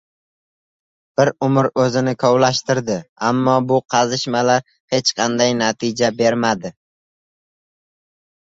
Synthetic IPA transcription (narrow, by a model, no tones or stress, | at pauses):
b̥ɪɾʊmɪɾɵzɪnɪkʰɒwlaʃt̪ɪɾd̪ɪamːɒbʊqʰɑzɪʃmalaɾ | he̞t͡ʃqʰɑnd̪ajnat̪ʰɪd͡ʒabe̞ɾmad̪ɪ